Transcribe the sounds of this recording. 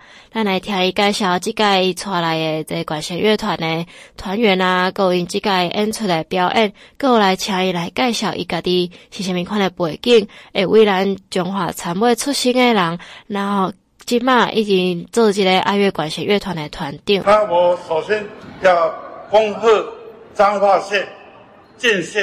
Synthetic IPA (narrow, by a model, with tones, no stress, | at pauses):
la˥˧˨nla˧jt̪ʰja˧i˧ka˥˧jɕja˧ʊt͡ɕi˦˥ka˥˧i˧t͡sʰwa˧la˨˧je˧t͡se˧˩kwa˨˩nɕɛ˨˧nɥe˥˧t̪ʰwa˨˦ne˧t̪ʰwa˨˧˦nɥɛ˨˦na˧kə˥˧i˧ŋt͡ɕi˥ka˥˧i˧ʔɛ˦nt͡sʰu˥˩e˨˧pja˦˥ʊʔɛ˥˧˨nkə˥˧˨la˨˧jt͡ɕʰjã˧i˧la˧jka˥˧jɕja˧˩ʊʔḭ˧˩ka˧t̪i˧ɕi˨˩ɕi˧˩mĩ˧ŋkʰwa˥˧ne˨˧pwe˨˩ki˥˧˩ŋe˨˩wʔi˧˦la˧nt͡ɕjɔ˧ŋxwa̰˨˩t͡sʰa˧˦mwe˥˧t͡sʰu˥˨ɕi˥ŋe˧la˨˦ŋna˧˦ | t͡ɕi˦˥ma˥˧ʔḭ˧˩t͡ɕi˧t͡sə˥˧t͡ɕi˧˥ɾe˧ʔa̰˧ɥe˥˧˩kwa˨˩nɕɛ˨˧nɥʔɛ˥˧t̪ʰwa˨˩ne˨t̪ʰwa˨˦nt̪i˥˩˨a˦wɔ˨˩so˨˩ɕjɛ˦nja˥˧kɔ˦ŋhə˥˨t͡sa˦ŋhwa˥˧˨ɕjɛ˥˨n | t͡ɕɛ˥˧nɕɛ˥˨